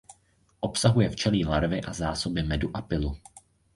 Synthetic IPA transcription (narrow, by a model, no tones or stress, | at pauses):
ʔo̞psaɦujɛft͡ʃɛliːlaɾvɪʔazaːso̞bɪmɛduʔapɪlu